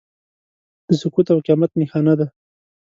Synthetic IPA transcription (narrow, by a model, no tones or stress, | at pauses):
d̪̥əsʊkut̪awqjɑmat̪nixɑnad̪a